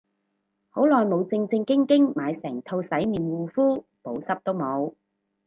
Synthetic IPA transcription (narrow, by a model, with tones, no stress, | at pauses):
ho˨˥wlɔː˨˩jmo˨˧wt͡sɪ˧ŋt͡sɪ˧ŋkɪ˥ŋkɪ˥ŋmaː˨˧jsɛː˨˩ŋt̪ʰo˧wsɐ˨˥jmiː˨˩nwuː˨˧fuː˥ | po˨˥wsɐ˥p̚t̪o˥wmo˨˧w